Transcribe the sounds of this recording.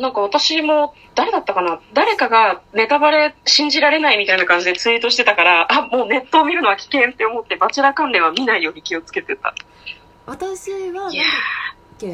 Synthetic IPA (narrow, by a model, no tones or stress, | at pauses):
nãŋkaβ̞at̪aɕimo̞ | d̪̥aɾe̞d̪at̪ːakanad̪aɾe̞kaɡane̞t̪abaɾe̞ɕĩɲ̟d͡ʑiɾaɾe̞naimʲit̪ainakãɲ̟d͡ʑid̪e̞t͡sɨit̪o̞ɕi̥t̪e̞t̪akaɾaʔamo̞ːne̞t̪ːo̞ːmʲiɾɯ̟no̞βakʲi̥kẽ̞nt̪ːe̞o̞mo̞t̪ːe̞bat͡ɕiɾakãnɾẽ̞ɰ̃amʲinaijo̞ːɲ̟ikʲio̞t͡sɨ̥ke̞t̪e̞t̪a̰ | at̪aɕiβja